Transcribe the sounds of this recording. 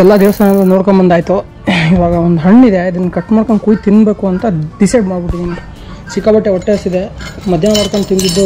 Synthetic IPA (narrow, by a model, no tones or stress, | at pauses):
ɛlːad̪iʋɐsɐnɐlːɐnoːɽkombɐnd̪aːjt̪u | iʋaːɡɐond̪uɦɐɳːid̪eɐd̪ɐnːɐkɐʈːmaːɾkɐnkuːjit̪inːbe̞ːkuɐnt̪ɐɖisɐjɖmaːɖbiʈːid̪eɐnt̪ɐ̥ | sikːabɐʈːeɔʈːesid̪emɐd̪ʱjɐnɐʋɐɾkɐnt̪ind̪id̪ːu